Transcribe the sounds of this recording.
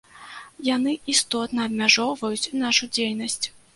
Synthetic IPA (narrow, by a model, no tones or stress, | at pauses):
janɨist̪ɔt̪nɐːbmʲaʐɔwvɐjut͡sʲnaʂud͡zʲejnɐsʲt͡sʲ